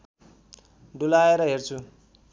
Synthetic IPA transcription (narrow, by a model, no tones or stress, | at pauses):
ɖulaeɾʌɦert͡sʰu